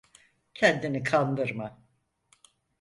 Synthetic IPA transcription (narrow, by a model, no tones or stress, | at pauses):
cʰɛnd̪inikʰand̪ɯɾma